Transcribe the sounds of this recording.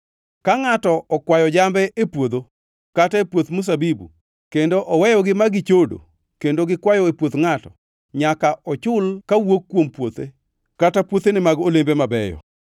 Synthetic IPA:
kaŋatɔɔkwajɔd͡ʒambɛepwod̪o | kataepwot̪mʊs̬abibṵ | kendoʔɔwɛjɔɡɪmaɡɪt͡ʃodo̰ | kendoɡɪkwajɔepwot̪ŋatɔ | ɲakaɔt͡ʃʊlkawokːwompwot̪e | katapwot̪enɪmaɡolembemabɛjɔ̰

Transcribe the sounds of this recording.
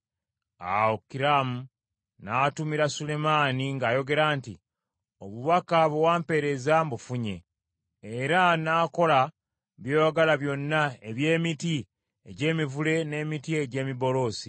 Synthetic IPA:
a̰wokːiɾamu | naːtumiɾasule̞maːniŋɡaːjo̞ɡe̞ɾaːnti | oβuβakaβewaːmpe̞ɾe̞zambufuɲe̞̰ː | eɾanaːko̞la | βjo̞ɡalaβjo̞nːae̞βje̞ːmiti | eɟe̞ːmivule̞ne̞ːmitieɟe̞ːmiβo̞lo̞ːsi

